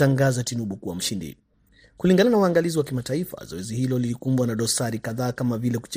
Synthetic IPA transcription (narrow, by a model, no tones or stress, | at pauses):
aŋɡazatinuɓukuwa̰m̩ʃindḭ | kuliŋɡananauwaŋɡaliziwakimataifa̰zɔwɛzihilɔlilikumbwanaɗɔsaɾikaðaːkamavilɛku̥t͡ʃ